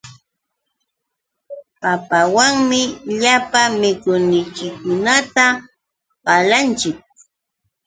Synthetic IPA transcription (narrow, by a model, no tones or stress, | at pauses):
papawaŋmɪʎapamɪkʊnɪt͡ʃɪkʊnat̪a | ɢɑlant͡ʃɪk̚